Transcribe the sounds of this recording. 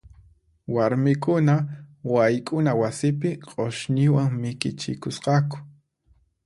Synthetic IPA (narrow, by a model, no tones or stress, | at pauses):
waɾmɪkʊnawajkʼʊnawasɪpɪqʼoʃnɪwaŋmɪkɪt͡ʃɪ̰kʊsqɑkʊ̥